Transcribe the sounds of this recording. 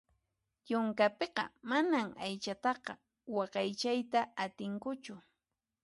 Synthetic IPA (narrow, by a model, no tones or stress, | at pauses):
jʊŋkapeqɑ̰manamajt͡ʃat̪ɑqɑ | wɑqɑjt͡ʃajt̪aat̪ɪŋkʊt͡ʃʊ